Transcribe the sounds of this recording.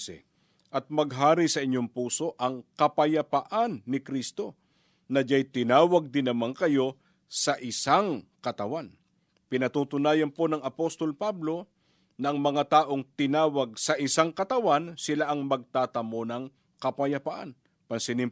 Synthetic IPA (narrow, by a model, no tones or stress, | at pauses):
ɛ̰ | ʔɐt̪̚mɐɡɦaːɾisɐʔɪɲːo̞ŋpuːso̞ʔɐŋkɐpɐjɐpɐʔanːɪkɾist̪o̞ | nɐd͡ʒajt̪ɪnaːwɐɡ̚d̪ɪnɐmaŋkɐjo̞ | sɐʔɪsaŋkɐt̪ɐwan | pɪnɐt̪uːt̪ʊnaːjɐnpo̞nɐŋɐpo̞st̪o̞lpablo̞ | nɐʔɐŋmɐŋat̪aːʔo̞ŋt̪ɪnaːwɐɡ̚sɐʔɪsaŋkɐt̪ɐwansɪlaʔɐŋmɐɡ̚t̪aːt̪ɐmo̞nɐŋ | kɐpɐjɐpɐʔa̰n | pɐnsɪnɪm